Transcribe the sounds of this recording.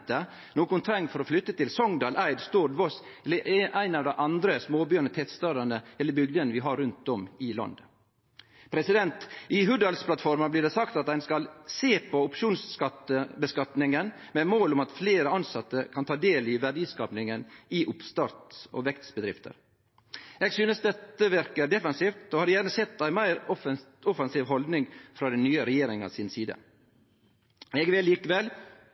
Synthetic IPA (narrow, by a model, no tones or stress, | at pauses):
t̪ə | noːkʊnt̪ʰɾɛŋːfɔɾɔflʏt̪ːət̪ʰɪlsɔŋd̪ɑːlʔæɪd̪st̪uːd̪ʋɔs | ʔæɪnɑʋd̪ɛɪʔɑnd̪ɾəsmoːbyːəɳət̪ʰɛt̪st̪ɑːd̪ənəɛlːəbʏɡd̪ənʋɪɦɑɾːʉnt̪̚d̪ɔmɪlɑ̰nd̪ə | pʰɾɛsɪd̪ɛnt̪ɪɦʉd̪ɑlspʰlɑt̪fɔɾmɑblɪɖ̪ɛsɑkt̪ɑt̪dæɪnskɑlseːpʰɔʊpʂuːnskɑt̪əbəskɑt̪nɪŋən | mɛːmoːlʊmɑt̪fleːɾəɑnsɑt̪ːəkʰɑnt̪ʰɑːd̪eːlɪʋæɖiːskɑːpnɪŋənɪʔʊpst̪ɑːɾt̪o̰ʋɛkt̪sbəd̪ɾɪft̪ʰə̰ɾ | ɛːɡsyːnəsd̪ɛt̪ːəʋɪɾkəd̪ɛfɑnsiːft̪oːhɑːdjæːɾnəsɛt̪ːæɪmæɪɾɔfɔfɑnsiːʋɦɔld̪nɪŋfɾɑːd̪ɛnnyːəɾɛjeːɾɪŋɑ̰sɪnsiːd̪ə̰ | ɛɡʋɛlːiːkəʋɛl